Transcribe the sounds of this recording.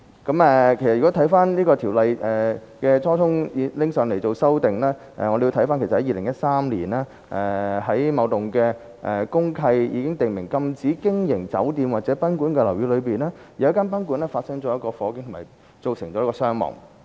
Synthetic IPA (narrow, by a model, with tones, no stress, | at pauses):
kɐ˨˥mɛː˨kʰe˨˩jsɐ˨yː˨kɔ˨˥t̪ʰɐ˨˥jfaː˥nniː˥kɔː˧t̪ʰi˨˩wlɐ˨jʔɛː˨˩kɛː˧t͡sʰɔː˥t̪ʰʊ˥ŋ˨˧lɪ˥ŋsœː˨˧ŋle˨˩jt͡so˨wsɐ˥wt̪ɪ˨ŋlɛː˥ | ʔɛ̰˨˧ŋɔ˨˧de˨ji˧t̪ʰɐ˨˥jfaː˥nke˨˩sɐ˨˩hɐ˨˥jiː˧lɪ˨˩ŋjɐ˥t̚saː˥mliː˨˩nɛː˥ | ʔɛ˨ɦɐ˨˥jmɐ˨˧wt̪ʊ˨ŋkɛː˧ | ʔɛ˨˩kʊ˥ŋkʰɐ˧jjiː˨˧kɪ˥ŋt̪ɪ˨ŋmɪ˨˩ŋkɐ˧mt͡siː˨˥kɪ˥ŋjɪ˨˩ŋt͡sɐ̰˨˥wt̪iː˧mwaː˨t̚t͡sɛː˨˥pɐ˥nkuː˨˥nkɛː˧lwjyː˧lɵ˨˧ɥpiː˨nɛː˥jɐ˨˧wjɐ˥kaː˥np̬ɐ˥nku˨˥nlɛː˥faː˧t̚sɐ˥ŋt͡sɔː˨˦jɐ˥t̚kɔː˧fɔː˨˧kɪ˧˥ŋt̪ʰʊ˨˩maː˨˩ | t͡so˨wsɪ˨˩ŋt͡ɕɔː˨˦˥kɔː˧sœː˥ŋmɔ̰ː˨˩ŋ